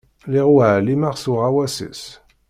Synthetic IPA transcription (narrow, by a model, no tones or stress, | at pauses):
leʁualimaʁsuʁawasḭs